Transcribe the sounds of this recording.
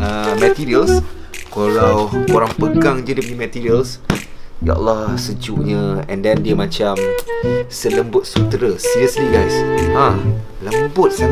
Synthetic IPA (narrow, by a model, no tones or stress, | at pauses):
əmət̪iɾiəls | koɾawkoɾaŋpəɡaŋd͡ʒədəpəɲəmɛt̪iɾiəls | ja̰ʔa̰lːɔhsəd͡ʒṵʔɲəɛ̃ndɛndiəmãt͡ʃam | sələmbʊt̪̚sut̪ɾəsiɾiəsliɡajsʔã | ləmbʊt̪̚sa